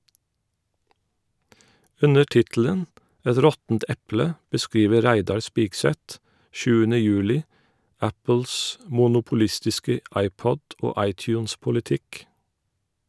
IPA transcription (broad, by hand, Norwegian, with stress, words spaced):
ˈʉnə ˈʈɪtl̩ən ˈɛt ˈɾɔtn̩t ˈɛplə bəˈskɹiːʋə ˈɾæɪdɑɹ ˈspiːɡˌsɛt ˈʃʉːənə ˈjʉːlɪ ˈæpl̩s mʊnʊpʊˈlɪstɪskə ˈɑɪpɔd ˈoː ˈɑɪˌtjʉːnspʊlɪˌtɪk